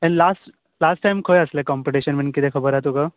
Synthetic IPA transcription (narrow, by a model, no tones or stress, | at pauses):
ɛ̃ɳɖlasʈ | lasʈːajmkʰojəslɛkɔmpiʈiɕənmənkit̪ʰɛ̃kʰəbəɾɦat̪oka